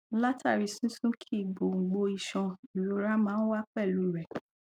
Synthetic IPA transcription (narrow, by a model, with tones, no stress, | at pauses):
la˦tʰa˦˨ɾi˧sũ˦sũ˦kʰi˦˨ɡ͡bo˨ŋ̩˨ɡ͡bo˧i˧˨ʃɔ̃˧i˨lo˨˧˦ɾa˦mãː˦n̩˦wa˦k͡pɛ˦˨lu˨˦i˦˨ɾɛ˨